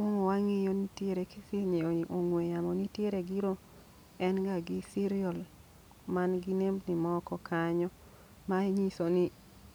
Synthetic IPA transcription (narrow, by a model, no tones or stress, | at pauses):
ɔŋɔwaŋɪjonitjeɾekɪsɪɲeoŋwejamɔnitjeɾeɡiɾo | ɛnɡaɡɪsiɾiɔl | manɡinemnimɔkɔkʰaɲɔ | maiɲisonɪ